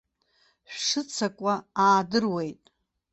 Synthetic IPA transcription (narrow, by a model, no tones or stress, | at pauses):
ɕᶣʂɨt͡sʰakʷʼaaːdɨrwe̞jtʼ